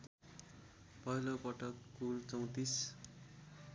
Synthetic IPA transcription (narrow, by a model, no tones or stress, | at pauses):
pʌɦilopʌʈʌkːult͡sʌw̃t̪is